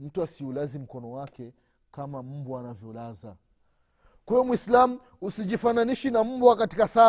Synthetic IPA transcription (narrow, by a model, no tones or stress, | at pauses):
m̩tuasiulazim̩kɔnɔwakɛ | kamam̩buanavjɔlaza | kwɛɔmwislamu | usiʄifananiʃinam̩buwakatikasa